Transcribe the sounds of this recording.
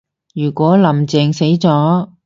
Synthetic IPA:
jyː˨˩kʷɔː˨˥lɐ˨˩mt͡sɛː˨˧ŋse˨˥jt͡sɔː˨˥

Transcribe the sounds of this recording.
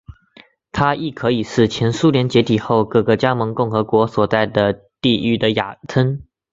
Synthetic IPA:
t̪ʰa˥ʔi˥˩kʰɤ˧˥i˨˩ʂɻ̩˥˩t͡ɕʰjɛ˧˥nsu˥ljɛ˧˥nt͡ɕjɛ˧˥t̪ʰi˨˩xo˥˧ʊkɤ˥˩ɡə˨t͡ɕja˥mɤ˧˥ŋkʊ˥˩ŋxɤ˧˥kwɔ˧˥swɔ˨˩t͡sa˥˩ɪd̪ə˩ | t̪i˥˧y˥˩d̪ə˩ja̰˨˩t̪ʰə˥n

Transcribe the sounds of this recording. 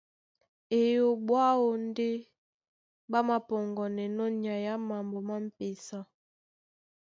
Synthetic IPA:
e˨jo˨bwa˦o˨n˦de˦ | ba˦ma˦pɔ˨ŋɡɔ˨nɛ˨nɔ˦ɲ˨a˨ja˦ma˨mbo˨ma˦m̩˦˨pe˨sa˦

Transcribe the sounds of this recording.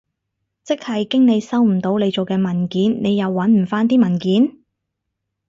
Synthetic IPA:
t͡sɪ˥k̚hɐ˨jkɪ˥ŋne˨˧jsɐ˥wm̩˨˩t̪o˨˧wle˨˧jt͡so˨wkɛː˧mɐ˨˩nkiː˨˥nːe˨˧jɐ˨˧wːɐ˨˥nm̩˨˩faː˥nt̪̬iː˥mɐ˨˩nkiː˨˥n

